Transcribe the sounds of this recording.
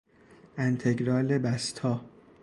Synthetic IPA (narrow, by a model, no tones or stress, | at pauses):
ænt̪ʰeɡɾɒːlebæst̪ʰɒː